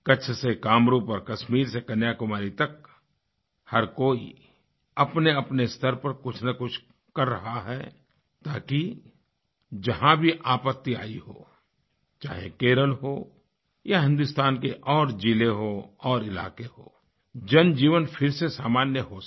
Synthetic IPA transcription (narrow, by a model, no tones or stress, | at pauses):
kɐt͡ʃʰsekaːmɾuːpɔːɾkɐʃmiːɾsekɐnjakʊmaːɾit̪ɐk̚ | hɐɾkoːḭ | ɐpneɐpnest̪ʰəɾpəɾkʊt͡ʃʰnɐkʊt͡ʃʰ | kɐɾːɐɦaɦɛ | t̪aːki | d͡ʒɐɦãbʱiʔaːpət̪ːia̰ːiɦo̰ː | t͡ʃaːɦḛkeːɾəlɦoː | jaɦɪ̃nd̪ʊst̪aːnkeʔɔːɾd͡ʒileɦoɔːɾɪla̰ːkeɦo̰ː | d͡ʒɐnd͡ʒiːʋənfʰɪɾsesaːmaːnjəɦo